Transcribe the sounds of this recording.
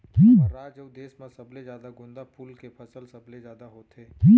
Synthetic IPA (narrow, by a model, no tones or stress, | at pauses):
k̪iːbəɾaːd͡ʒəwd̪eːsmãsɐbled͡ʒjaːd̪aɡʊ̃nd̪apʰuːlkepʰəsəlsɐbled͡ʒjaːd̪aɦoːt̪eːk̪iː